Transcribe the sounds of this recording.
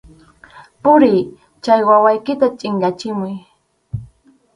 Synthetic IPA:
pʊɾɪj | t͡ʃajwawajkɪt̪at͡ʃʼɪɴɢɑt͡ʃɪmʊj

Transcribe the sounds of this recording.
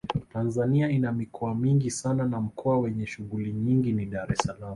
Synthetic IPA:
tanzaniainamikʰɔamiŋɡisananam̩kʰɔawɛɲɛʃuɣuliɲiŋɡiniɗaɾɛsalam

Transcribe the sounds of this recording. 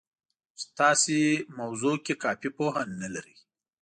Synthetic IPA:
st̪ɑsemawzokekɑːfipoɦanːalaɾi

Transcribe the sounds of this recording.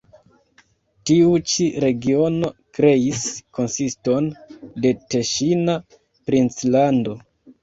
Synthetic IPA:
tiut͡ʃiɾe̞ɡio̞no̞kɾe̞isko̞nsisto̞nde̞teʃina | pɾint͡slando̞

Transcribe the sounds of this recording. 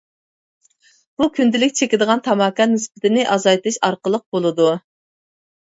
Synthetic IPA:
b̥ukʲʰynd̪ɪlɪkʲt͡ʃʰekʲɪd̪əʁɑnt̪ʰɑmɑkɑnɪspɪt̪ʰɪnɪʔɑzɑjt̪ɨʃɑɾqəlˠəq̚bolˠɨd̪u

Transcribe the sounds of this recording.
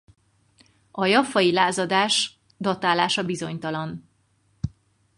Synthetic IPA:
ɒjɒfɒjilaːzɒd̪aːʃ | d̪ot̪aːlaːʃɒbizo̞ɲt̪ɒlɒn

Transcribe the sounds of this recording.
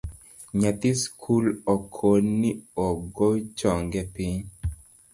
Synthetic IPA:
ɲat̪iskʰulɔkʰonːiɔɡot͡ʃɔŋɡɛpiɲ

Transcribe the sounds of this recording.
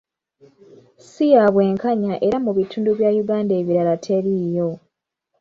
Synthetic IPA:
sijaβwe̞ːŋkaɲaʔe̞ɾamuβitʰuːnduβjaːjuɡaːnde̞ːβiɾalatʰe̞ɾijo̞

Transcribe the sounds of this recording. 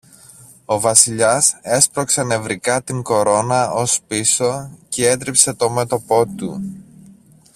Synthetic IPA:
o̞vɐsiʎɐse̞spɾo̞ksɐne̞vɾikɐt̪iŋɡo̞ɾo̞nɐo̞spiso̞cee̞t̪ɾipse̞t̪o̞me̞t̪o̞po̞t̪u

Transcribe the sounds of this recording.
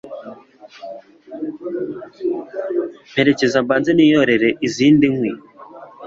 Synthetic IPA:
m̥he̞ɾe̞ce̞zambaːnzeniːjoɾe̞ɾe̞ʔiziːndiŋwi

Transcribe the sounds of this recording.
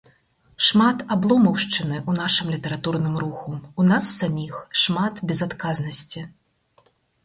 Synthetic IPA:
ʂmat̪ablˠɔmɐwʂt͡ʂɨnɨʔunaʂɨmlʲit̪ɐɾat̪urnɨmɾuxuunasːamʲixʂmat̪bʲɛzat̪kaznɐsʲt͡sʲi

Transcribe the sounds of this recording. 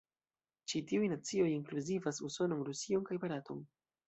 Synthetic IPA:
t͡ʃitiujnat͡sio̞jiŋkluzivasuso̞noŋɾusioŋkajbaɾato̞̰n

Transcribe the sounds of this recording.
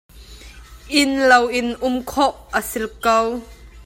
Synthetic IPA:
ʔɪnlɐwʔɪnʔʊmkʰɔʔʔəsɪlkɐw

